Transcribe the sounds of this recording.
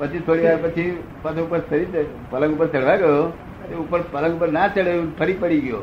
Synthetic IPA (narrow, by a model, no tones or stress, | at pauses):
pət͡ʃʰit̪ʰoɽiʋaɾpət͡ʃʰi | pət͡ʃʰoupəɾsʰəɾi | pələ̃ŋɡʊpəɾt͡ʃəɽʋaɡəjo | t̪eupəɾpələ̃ŋɡʊpəɾnat͡ʃəɭeũpʰəɾipəɽiɡjo̰